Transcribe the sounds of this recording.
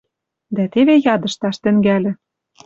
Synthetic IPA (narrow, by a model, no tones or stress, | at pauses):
d̪æt̪eβejɑd̪ɤ̆ʃt̪ɑʃt̪ɘ̆ŋɡælʲɘ̆